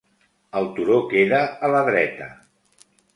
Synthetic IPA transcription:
əlˠt̪uɾokeðəːləðɾɛt̪ə

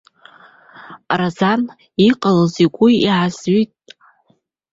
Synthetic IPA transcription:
razan | iqʼaloziɡʷʊiʕazɥitʼ

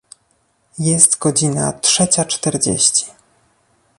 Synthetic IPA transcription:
jɛst̪ɡɔd͡ʑina̰tʂɛt͡ɕat͡ʂt̪ɛɾd͡ʑḛɕt͡ɕi̥

